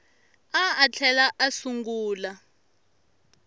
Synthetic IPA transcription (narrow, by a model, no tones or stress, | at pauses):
aːt͡ɬʰɛlaʔasuŋɡuːla